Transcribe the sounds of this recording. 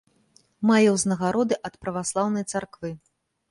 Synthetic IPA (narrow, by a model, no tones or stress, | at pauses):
majɐwznɐɣaɾɔd̪ɨʔɐt̪pɾɐvaslˠawnɐjt̪sarkvɨ